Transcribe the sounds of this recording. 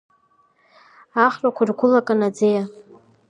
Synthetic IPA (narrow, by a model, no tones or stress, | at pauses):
aχrʼakʷʰarɡʷʊlakʼanad͡zeja